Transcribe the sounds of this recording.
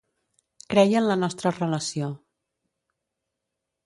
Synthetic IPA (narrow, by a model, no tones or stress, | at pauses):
kɾɛjənlənɔst̪ɾərələsio